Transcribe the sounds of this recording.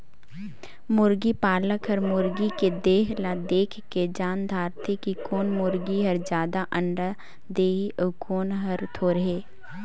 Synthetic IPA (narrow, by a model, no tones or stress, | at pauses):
mʊɾɡipaːləkɦəɾmʊɾɡiked̪eːɦlad̪eːkʰkːed͡ʒaːnd̪ʱaːɾt̪ʰekikoːnmʊɾɡiɦəɾd͡ʒjaːd̪aʔə̃ɳɖa | d̪eːɦiʔokoːnɦəɾt̪ʰoːɾəɦeː